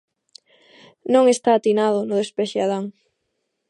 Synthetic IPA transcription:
nõŋest̪aːt̪inaðʊnʊðespeʃeaðaŋ

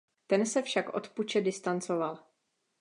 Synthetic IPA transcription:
t̪ɛnsɛfʃakʔo̞̰t̪put͡ʃɛdɪst̪ant͡so̞val

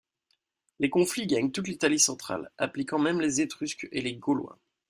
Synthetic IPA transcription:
lekɔ̃fliɡaɲt̪ut̪lit̪alisɑ̃t̪χa̰la̰plikɑ̃mɛmlezet̪χyskḛleɡɔlwɛ̰̃

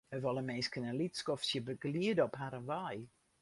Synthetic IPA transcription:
əvɔlˠəmejskənəlitskɔfsjəbəɡliədɔpɦaɾənvaj

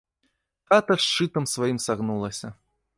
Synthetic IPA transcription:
t̪at̪ɐʂt͡ʂɨt̪ɐmsvajimsaɣnulˠɐsʲɐ

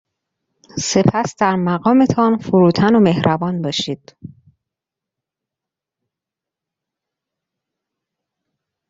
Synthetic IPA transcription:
se̞pʰæsd̪̥æɾmæɣɒːme̞t̪ʰɒnfuɾuːt̪ʰæno̞me̞hɾʔæbɒːnbɒːʃiːd̪̥

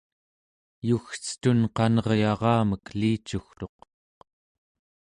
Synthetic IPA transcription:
juxt͡sə̥t̪unqɑnʌʁjɑʁɑːməkliːt͡ʃuxt̪o̞q

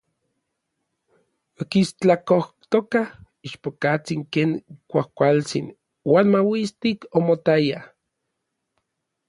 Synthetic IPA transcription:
okist͡ɬakoht̪okah | iʃpokat͡siŋkeːŋkʷahkʷalt͡sin | waːnmawist̪ikomot̪aja

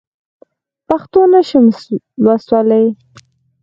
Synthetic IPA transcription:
paxt̪onaʃəm | lwaswɑləj

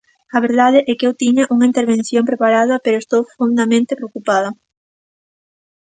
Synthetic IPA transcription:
ɐβeɾðaðɪʔɛkewt̪iɲaʔuŋɐint̪eɾβẽn̟θjompɾepaɾaðɐpeɾoest̪owfond̪ɐmẽnt̪epɾeokupað̞ɐ

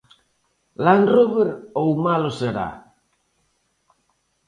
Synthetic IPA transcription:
lanruβeɾowmaloseɾa̰

